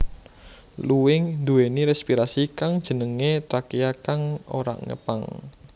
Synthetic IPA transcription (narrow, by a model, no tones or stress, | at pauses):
luwɪŋd̪uweniɾɛspiɾasikaŋd̥ʒ̥ə̤nəŋet̪ɾakijakaŋoɾa̰ʔŋə̰pa̰ŋ